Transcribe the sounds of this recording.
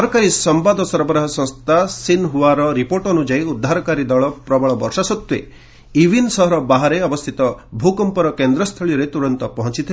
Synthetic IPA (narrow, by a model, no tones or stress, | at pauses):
ɔɾkaɾisɔmbad̪ɔsɔɾɔbɔɾaɦɔsɔ̃st̪ʰasinɦuaɾɔɾipoɾʈɔnud͡ʒajud̪ʱːaɾɔkaɾid̪ɔɭɔpɾɔbɔɭɔbɔ̰ɾʃasɔt̪wḛ | ibinsɔɦɔɾɔbaɦaɾeɔbɔst̪ʰit̪ɔbʱukɔmpɔɾɔkend̪ɾɔst̪ʰɔɭiɔɾet̪uɾɔnt̪ɔpɔɦɔ̃t͡ʃit̪ʰi